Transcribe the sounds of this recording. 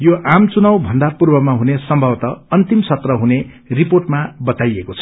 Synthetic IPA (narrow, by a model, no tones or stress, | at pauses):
joʔamt͡sunʌwbʱʌnd̪apurbʌmaɦunesʌmbʱʌwt̪ʌʌnt̪imsʌt̪rʌɦune | riporʈmabʌt̪ajekot͡sʰʌ̥